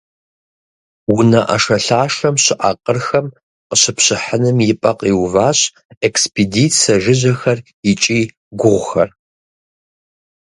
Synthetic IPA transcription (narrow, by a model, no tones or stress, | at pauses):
wʊnɐʔɐ̰ʂɐɬaːʂɐmɕɪʔa̰qʼərxɐm | qəɕɪpɕɪħənɨmjɪpʼɐqʼiːwvaːɕ | ekspidit͡sʰɐʒɪʑɐxɐr | ɪt͡ʃʼiː | ɡʷʊʁʷʊxɐr